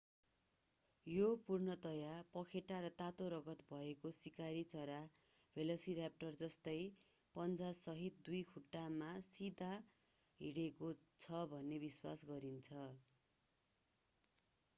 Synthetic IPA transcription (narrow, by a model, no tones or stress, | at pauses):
jopurnʌt̪ʌjapʌkʰeʈaɾʌt̪at̪oɾʌɡʌt̪bʱʌekosikaɾit͡sʌɾa | bʱelosiɾjap̚ʈʌrd͡zʌst̪ʌj | pʌnt͡sasʌɦit̪̚d̪ujkʰuʈːamasid̪ʱa | ɦiɽekot͡sʰʌbʱʌnːebiswa̰sɡʌɾint͡sʰʌ